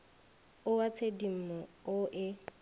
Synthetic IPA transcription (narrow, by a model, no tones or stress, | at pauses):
ʊwat͡sʰedim̩mɔʊʔɪ